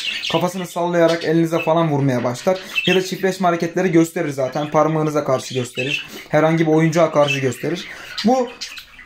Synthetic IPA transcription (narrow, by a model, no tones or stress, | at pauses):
kʰafasɯnɯsalˠːajaɾakelʲinizɛfalˠanvuɾmajabaʃlˠaɾjad̪at͡ʃʰipɾɛʃmaɾecɛt̪lʲeɾiɟø̞st̪ʰe̞ɾiɾzaːt̪ʰænpʰaɾmɯːnɯzakʰaɾʃɯɟø̞st̪ʰe̞ɾiɾ̥hæɾhaɲɟibio̞jund͡ʒuakʰaɾʃɯɟø̞st̪ʰe̞ɾiɾ̥bu